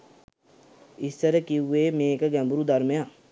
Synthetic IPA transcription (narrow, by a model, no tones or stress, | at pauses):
isːəɾəkiuːeːmeːkəɡɛ̃mbuɾud̪ɐɾməja